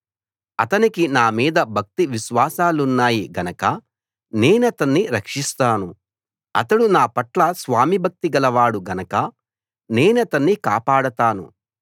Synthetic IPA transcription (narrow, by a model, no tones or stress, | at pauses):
ɐ̰t̪ɐnikinaːmiːd̪ɐbʱɐk̚t̪iʋiʃʋaːsaːlunːaːjiɡɐnɐkɐ | ne̞ːnuɐt̪ɐnːiɾɐkʂist̪aːnu | ɐ̰t̪ɐɽunaːpɐʈlɐsʋaːmibʱɐk̚t̪iɡɐlɐʋaːɽuɡɐnɐkɐ | ne̞ːnuɐt̪ɐnːika̰ːpaːɽɐt̪aːnṵ